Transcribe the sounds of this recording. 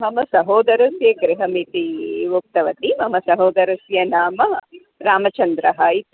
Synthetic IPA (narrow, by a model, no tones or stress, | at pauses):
ɐmɐsɐɦoːd̪ɐɾɐsjɐɡɾiɦɐmit̪iʋuk̚t̪ɐʋɐt̪imɐmɐsɐɦoːd̪ɐɾɐsjɐnaːmɐ | ɾaːmɐt͡ʃɐnd̪ɾɐɦai